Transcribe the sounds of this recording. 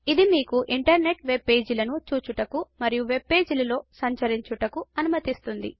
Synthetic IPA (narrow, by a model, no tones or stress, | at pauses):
id̪imiːkuʔiɳʈɐɾne̞ʈʋe̞be̞ːd͡ʒulɐnut͡ʃuːt͡ʃuʈɐkumɐɾijuʋe̞bːe̞ːd͡ʒulɐlo̞ːsɐɲt͡ʃɐɾiɲt͡ʃuʈɐkuɐnumɐt̪ist̪und̪ḭ